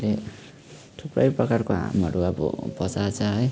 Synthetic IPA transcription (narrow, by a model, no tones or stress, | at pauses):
le | t̪ʰuprʌjprʌkarkoɦã̰mʌɽuʌbʌ̰pʌt͡sat͡sʰʌɦʌj